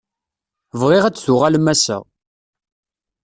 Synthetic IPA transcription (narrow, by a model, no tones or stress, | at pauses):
vʁiʁæt͡sːθʊʁalmæsə̰ʁ